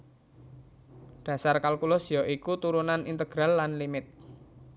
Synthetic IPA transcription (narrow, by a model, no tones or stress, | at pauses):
ɖ̥ä̤sarkalkulɔsijɔʔikut̪uɾunanint̪əɡ̥ɾalːanlimɪt̪̚